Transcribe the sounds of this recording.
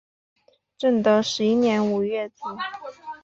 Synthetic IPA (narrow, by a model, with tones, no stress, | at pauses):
ʈ͡ʂə˥˩ŋt̪ə˧˥ʂɻ̩˧˥i˥njɛ˧˥nu˨˩ɥɛ˥˩t͡si˨˩˦